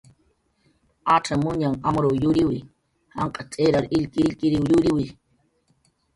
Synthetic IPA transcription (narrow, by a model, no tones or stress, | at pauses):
aʈ͡ʂamʊɲaŋamɾojʊɾɪwḭ | ha̰ŋqʼat͡ʃʼeɾaɾɪʎkɪʎkɪɾiwjʊɾiwi